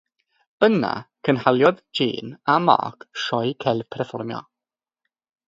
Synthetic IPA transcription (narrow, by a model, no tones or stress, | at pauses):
əna̰kʰənɦalˠjɔðd͡ʒḛːnama̰ːkʃɔjkʰɛlpʰɛɾfɔrmjɔ̰